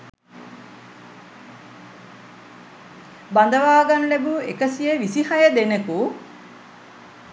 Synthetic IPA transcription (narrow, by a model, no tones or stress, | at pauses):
band̪ɐʋaːɡɐnlebuekɐsijeʋisihɐjɐd̪eneku